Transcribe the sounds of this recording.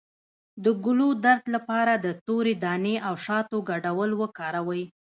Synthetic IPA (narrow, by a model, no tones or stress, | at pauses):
d̪əɡʊlod̪aɾd̪lapɑɾad̪ət̪oɾed̪ɑneʔawʃɑt̪oɡaɖawəlwəkɑɾawəj